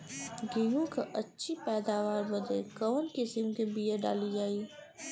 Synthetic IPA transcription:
ɡiːŋõkaʔɐtːʃʰipɛːd̪aːʋaːɾbɐd̪ekɐʋənkɪsəmkebiːeɖa̰ːlid͡ʒaːiː

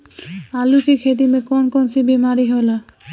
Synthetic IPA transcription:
alukikʰed̪imekɔnkɔnsibimaɾiɦola

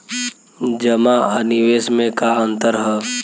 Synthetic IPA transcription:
d͡ʒəmaaniʋeːsmẽkaə̃nt̪əɾɦɛ

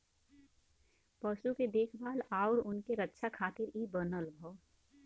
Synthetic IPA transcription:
pəʃuked̪eːkʰbaːlaːʊɾʊnkeɾətːʃʰakʰaːt̪ɪɾiːbənəlbʱɔː

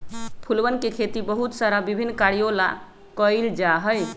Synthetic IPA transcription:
pʰulbənkekʰet̪ibəɦut̪saɾabibʱinːkaɾijola̰ | kəjld͡ʒaɦəj

